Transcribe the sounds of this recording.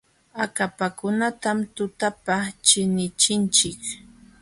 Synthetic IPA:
akapakʊnat̪amt̪ʊt̪apat͡ʃɪnɪt͡ʃɪnt͡ʃɪk

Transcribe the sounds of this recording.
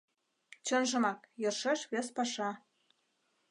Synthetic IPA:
t͡ɕə̆nʒɤ̆mɑkjɤ̆rʃeʃβespɑʃɑ

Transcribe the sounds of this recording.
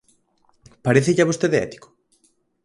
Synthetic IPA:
paɾeθɪʎaβost̪eðeɛ̰t̪i̥kʊ̥

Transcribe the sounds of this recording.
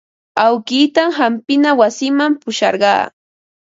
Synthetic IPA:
awkiːt̪amɦampɪnawasɪmampʊʃɑ̰ɾɢɑ̰ː

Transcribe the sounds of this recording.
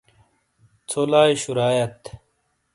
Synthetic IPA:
t͡sʰolaːjɕuɾaːjɐt̪

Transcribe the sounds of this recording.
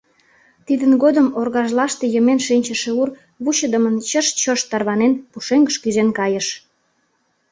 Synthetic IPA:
t̪id̪ənɣod̪əmorɣɑʒlɑʃt̪ejəmenʃinʲt͡ɕəʃeur | βut͡ɕəd̪əmənt͡ɕəʃt͡ɕəʃt̪ɑrβɑnenpuʃeŋɡəʃkyzenkɑjəʃ

